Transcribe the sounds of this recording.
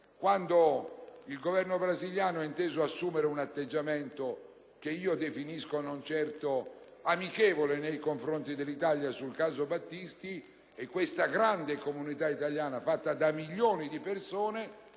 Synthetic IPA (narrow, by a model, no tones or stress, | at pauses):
kwand̪oilɡovɛrnobɾaziljaːnoɛint̪eːzoasːuːmeɾeunat̪ːed͡ʒːamɛnt̪o | k̟eiːod̪efiniskonont͡ʃɛrt̪oamikɛːvolenejkoɱfɾont̪id̪elːit̪aljasulkaːzobat̪ːist̪i | ɛkːwest̪aɡɾand̪ekomunit̪ait̪aljaːnafat̪ːad̪amiʎːoːnid̪ipersoːne